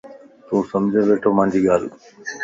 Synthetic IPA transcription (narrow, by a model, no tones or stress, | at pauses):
t̪uːsəmd͡ʑʱẽːʋeːʈʰoːmãːnd͡ʑʱiːɠaːl